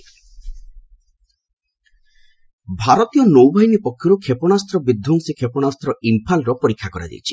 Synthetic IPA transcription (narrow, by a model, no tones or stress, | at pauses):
bʱaɾɔt̪ijɔnowbʱaɦinipɔkʰːjɔɾukʰepɔnast̪ɾɔbid̪ʱːɔŋsikʰepɔñast̪ɾɔʔimpʰalɾɔpɔɾikʰːakɔɾa̰d͡ʒ̪ḭjt͡ʃʰi̥